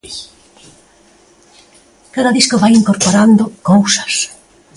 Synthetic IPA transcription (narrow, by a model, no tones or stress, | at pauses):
kaðaðiskoβajiŋkoɾpoɾand̪okowsḁs